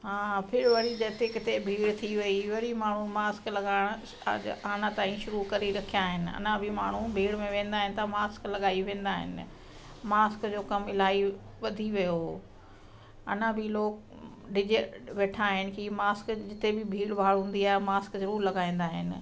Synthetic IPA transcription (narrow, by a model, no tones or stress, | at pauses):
ɦãːpʰɪɾʋɐɾid͡ʑɐt̪ekɪt̪ebʱiːɽt̪ʰiʋɐiʋɐɾimaːɳ̤umaːsklɐɠaːɪɽ̰̃ | aːɽ̃at̪ãːĩʃʊɾukɐɾiɾɐkʰijaːɦɪnɪ̆ɐ̰nãbʱɪmaːɳ̤ubʱiːɽmẽʋẽːnd̪aːɦɪnɪ̆t̪ʰɐmaːsklɐɠaːiʋẽːn̆d̪aːɦɪ̰nɪ̰̆ | maːskd͡ʑoːkɐmɪlaːi | ʋɐd̪ʱiʋijo | ɐ̰nãbʱiloːk | ɖɪd͡ʑʋeːʈʰaːɦɪnɪ̆kimaːskd͡ʑɪt̪ebɪbʱiːɽbʱaːɭɦũːn̆d̪iaːɦɪmaːskzɐɾuːɾlɐɡaːĩːn̆d̪aːɦɪ̰nɪ̆